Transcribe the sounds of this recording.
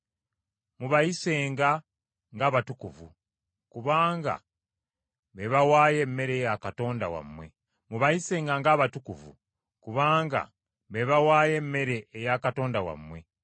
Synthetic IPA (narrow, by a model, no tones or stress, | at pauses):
muβajise̞ːŋɡa | ŋɡaːβatukuvṵ | kuβaːŋɡa̰ | βe̞βawaːje̞mːe̞ɾe̞jakato̞ːndawa̰mːwe̞̰ | muβajise̞ːŋɡaŋɡaːβatukuvṵ | kuβaːŋɡa̰ | βe̞βawaːje̞mːe̞ɾe̞ːjakato̞ːndawa̰mwe̞